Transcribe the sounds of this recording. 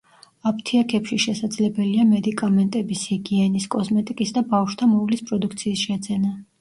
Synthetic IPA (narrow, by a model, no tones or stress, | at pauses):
apʰt̪ʰiakʰɛpʃiʃɛsad̪zlɛbɛliamɛd̪ikʼamɛnt̪ʼɛbishiɡiɛniskʼɔsmɛt̪ʼikʼisd̪abafʃt̪ʰamɔvlispʼɾɔd̪ukʰt̪sʰiːsʃɛd̪zɛna